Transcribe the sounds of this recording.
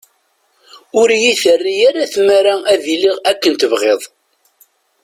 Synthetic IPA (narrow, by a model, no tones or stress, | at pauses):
ʊɾjiθərːijaɾaθmæɾaæðiliʁækːənt̪əvʁeðˤ